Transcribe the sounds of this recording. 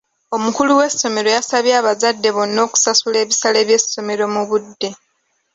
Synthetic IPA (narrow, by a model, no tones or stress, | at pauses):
o̞mukuluwe̞sːo̞me̞ɾo̞jasaβjaːβazadːe̞βo̞nːo̞ːku̥sasule̞ːβisale̞ːβje̞sːo̞me̞ɾo̞muβudːe̞